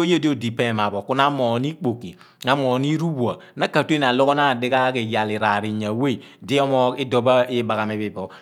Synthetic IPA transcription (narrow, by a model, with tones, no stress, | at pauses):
o˦je˦di˦o˦di˨pe˦˨ma˨bo˨ku˦na˦mo˨ni˦k͡po˨ki˨ | ŋa˦mo˨ni˦ɾu˦bu˨a˨na˦ka˨tu˦e˦na˨lo˦ɡo˦na˦˨di˦ɡa˦ke˨ja˨li˨ɾa˨ɾi˨ɲa˨we˦˨ | di˦ɔ˦mɔ˦i˦do˦ba˦i˦ba˨ɣa˨me˨bi˨bɔ˨